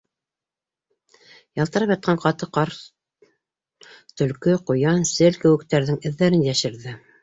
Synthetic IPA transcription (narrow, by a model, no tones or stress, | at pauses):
jɑlˠt̪ɤ̆ɾɑpjɑt̪̚qʰɑɴqɑt̪ɤqɑɾ | t̪ɵ̆lkɵqujɑnsɘlkɘ̆wɘ̆kt̪æɾðɘŋɘ̆ðːæɾɘnjæʃɘ̆ɾðɘ